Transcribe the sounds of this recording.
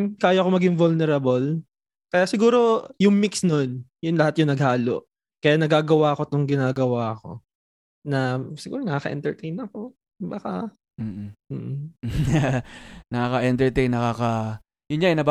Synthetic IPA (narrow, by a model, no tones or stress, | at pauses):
kaːjɐko̞mɐɡɪŋvolnɛɾɐbol | kɐjasɪɡuːɾo̞jʊŋmiksnonjʊnlɐhat̪̚jʊŋnɐɡhaːlo̰ʔ | kɐjanɐɡaːɡɐwaɐkot̪oŋɡɪnaːɡɐwaɐko̞̰ | nɐsɪɡuːɾonɐkaːkɐʔɛ̰nt̪ɛɹt̪ɛjnɐko̞ | baka | m̩ːm̩ːʔ̩ | nɐkaːkɐʔɛnt̪ɛɹt̪ɛjnːɐkaːkɐ | jʊnɲaɛnɐb